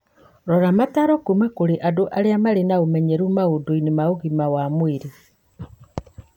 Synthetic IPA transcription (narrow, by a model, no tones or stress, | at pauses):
ɾɔɾamataɾɔkumakoɾeʔadoʔaɾeamaɾenaomɛɲeɾumaodoinemaoɣimawamweɾe